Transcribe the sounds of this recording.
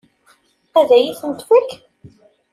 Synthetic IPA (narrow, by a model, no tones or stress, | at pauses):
æðæjiθənt̪wæk